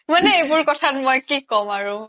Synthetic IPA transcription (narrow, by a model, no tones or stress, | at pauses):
manɛejbʊɹkɔtʰatmɔjkikɔmaɹʊ